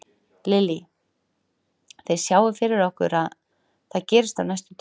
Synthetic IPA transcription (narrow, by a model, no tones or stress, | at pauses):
lɪli | θejsjaːwɪfɪɾɪɾɔhkʏ̰ɾað | θaðcɛːɾɪst̪awnajst̪ʏt̪ʰ